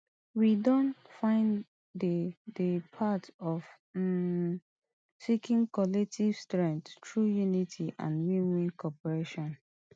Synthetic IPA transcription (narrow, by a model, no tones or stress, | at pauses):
widɔ̃ntfãɪ̃n | ddəpʰatɔf | sikĩŋkɔlɛk̚tʰivstɹɛ̃nttʰɹujunitʰiʔã̰nwimĩnkʰɔpɔɹeʃɔ̃n